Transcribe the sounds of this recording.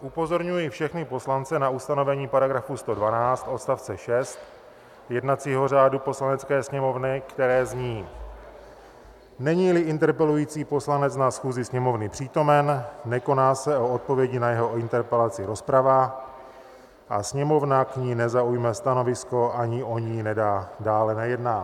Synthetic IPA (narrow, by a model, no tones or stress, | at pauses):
ʔupo̞zo̞ɾɲujifʃɛxnɪpo̞slant͡sɛnaust̪ano̞vɛɲiːpaɾaɡɾafust̪o̞dvanaːt͡st̪ʔo̞t̪st̪aft͡sɛʃɛst̪ | jɛdnat͡siːɦor̝aːdupo̞slanɛt͡skɛːsɲɛmo̞vnɪkt̪ɛɾɛːzɲiː | nɛɲiːlɪʔɪnt̪ɛɾpɛlujiːt͡siːpo̞slanɛt͡snasxuːzɪsɲɛmo̞vnɪpr̝̥iːt̪o̞mɛnːɛko̞naːsɛo̞ot̪̚po̞vjɛɟɪnajɛɦo̞ɪnt̪ɛɾpɛlat͡sɪɾo̞spɾava | ʔa̰sɲɛmo̞vnakɲiːnɛzaujmɛst̪ano̞vɪsko̞ʔaɲɪʔo̞ɲinɛdaːdaːlɛnajɛdnaː